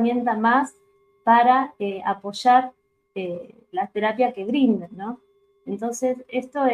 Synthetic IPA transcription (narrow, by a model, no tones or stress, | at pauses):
mjẽ̞nt̪amas | paɾaeapo̞ʃaɾ | e | lat̪e̞ɾapjaske̞β̞ɾind̪enːo | ent̪o̞nsesest̪o